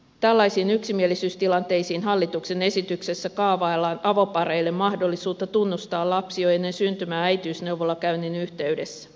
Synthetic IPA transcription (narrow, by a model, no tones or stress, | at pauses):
t̪ælːɑisiːnyksimielisyːst̪ilɑnt̪e̞jsiːnɦɑlːit̪ukse̞ne̞sit̪ykse̞sːækɑːʋɑelːɑːnʔɑʋo̞pɑɾeilːe̞mmɑhdo̞lːisuːt̪ːɑt̪unːust̪ɑːlɑpsioe̞nːe̞nsynt̪ymæːæjt̪yːsne̞wʋolːɑkæyninyht̪e̞yde̞sːæ̥